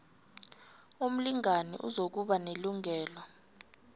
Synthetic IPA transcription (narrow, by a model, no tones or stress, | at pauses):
um̩liŋanɛ̰ʔṵzok̬uɓaneluŋʱɛːlɔ